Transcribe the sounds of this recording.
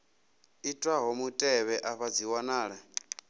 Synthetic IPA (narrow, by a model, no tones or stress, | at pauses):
itʼwaɦɔmutʼɛβɛʔaɸad͡ziwanaːɺa